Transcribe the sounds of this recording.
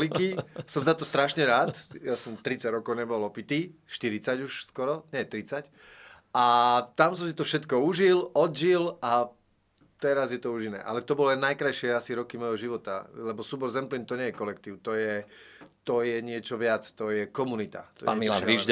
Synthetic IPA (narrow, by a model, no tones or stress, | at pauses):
likisɔmzat̪ɔst̪ɾaʃɲɛɾaːt̪jasɔmt̪ɾit͡saɟɾɔkɔʊɲɛbɔlɔpit̪iːʃt̪iɾit͡saɟuʃskɔɾɔɲɛt̪ɾit͡sac | at̪amsɔms̬it̪ɔfʃɛt̪kɔuʒilɔd̪ʒila | t̪ɛɾazjɛt̪ɔuʒinɛ̰ʔa̰lɛt̪ɔbɔlɛnajkɾajʃɪɛasiɾɔkimɔjɦɔʒiʋɔt̪a̰lɛbɔsuːbɔɾzɛmplint̪ɔɲɛjɛkɔlɛkt̪iːʊt̪ɔjɛ | t̪ɔjɛɲɪɛt͡ʃɔʋɪat͡st̪ɔjɛkɔmunit̪a̰t̪ɔ̰a̰milaiʒ